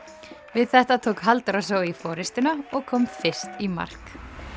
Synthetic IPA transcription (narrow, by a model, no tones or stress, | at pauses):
vɪðθɛht̪at̪ʰoːwkɦalt̪aɾas̬oːwifɔːɾɪst̪ɪnaɔɣkʰɔmfɪr̥st̪ima̰r̥k